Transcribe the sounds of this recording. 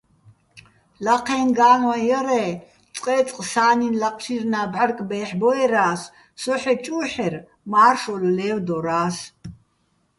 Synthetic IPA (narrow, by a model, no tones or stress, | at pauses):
laqʰɛːnɡaːnwajɛɾɛ | t͡sʼqʼɛːt͡sʼqʼsaːninlaqʼʃʰirnaːbʕarkʼbɛːħbɔɛɾaːs | sɔħɛt͡ʃʼuːħɛr | maːrʃɔllɛːwd̪ɔɾaːs